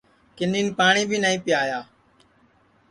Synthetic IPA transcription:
kɪniːnpaːɳĩːbʱiːnəːĩːpɪjaːjaː

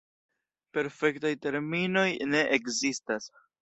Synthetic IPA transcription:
pe̞ɾfe̞ktajte̞ɾmino̞jne̞ʔekzistas

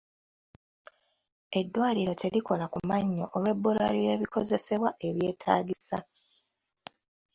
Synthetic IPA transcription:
e̞dːwaːliɾo̞tʰe̞likolakumaɲːoʔolwe̞bːula̰lije̞ːβikʰo̞ze̞se̞βwaʔe̞βje̞ːtʰa̰ːɡisa

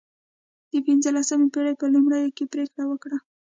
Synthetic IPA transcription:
d̪̥əpinzəlasamepeɽajpəlumɽəjokepɾekɽawəkɽa

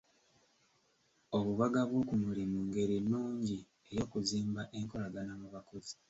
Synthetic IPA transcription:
oβuβaɡaβwo̞kumulimuːŋɡe̞ɾinːuːɲɟi | e̞jo̞ːkuziːmbaʔe̞ŋko̞laɡanamuβakozi

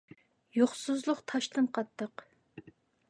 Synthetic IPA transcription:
joχsuzlˠʊqt̪ʰɑʃt̪ɨnqʰɑt̪ʰːəq

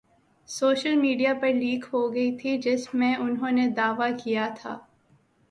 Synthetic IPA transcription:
soːʃəlmiːɖijapɐɾliːkɦoɡɐit̪ʰid͡ʒɪsmẽʔʊnɦõːned̪aːʋakijat̪ʰa̰ː

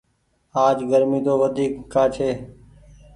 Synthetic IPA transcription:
aːd͡ʒɡəɾmiːd̪oːʋəd̪ʱiːkʰːaːt͡ʃʰeː

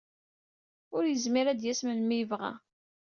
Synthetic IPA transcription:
ʊɾjəzmiɾæd̪jæsmənmivʁæ̰

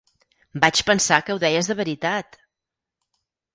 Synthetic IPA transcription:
bat͡ʃpənsakəwðɛjəzðəβəɾit̪at̪

